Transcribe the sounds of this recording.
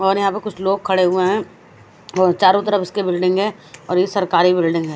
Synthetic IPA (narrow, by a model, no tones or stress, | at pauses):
ɔːɾjɐɦãpɐkʊt͡ʃʰloːɡ̚kʰɐɽeɦʊeɦɛ̃ː | ɔːt͡ʃaːɾõt̪əɾəfɪskebɪlɖɪ̃ŋɡɦɛ̃ | ɔːɾjesɐɾkaːɾibɪlɖɪ̃ŋɡɦɛː